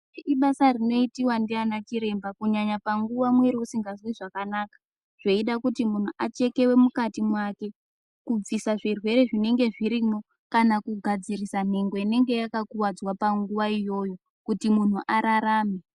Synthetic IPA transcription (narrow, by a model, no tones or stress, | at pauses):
iɓasarino̞itiwandianat͡ʃiɾe̞mbakuɲaɲapaŋɡuʋamweɾiusiŋɡazwiʐakanaːkḁ | ʐ̥eiɗakutimun̤uʔat͡ʃe̞ke̞we̞mukatimwake̞ | kub͡visaʐirwe̞ɾe̞ʐine̞ŋɡe̞ʐiɾimo̞ | kanakuɡʱad͡zirisan̤e̞ŋɡo̞ine̞ŋɡe̞jakakuwad͡zwapaŋɡuʋaijo̞jo̞ | kutimun̤uʔaɾaɾaːme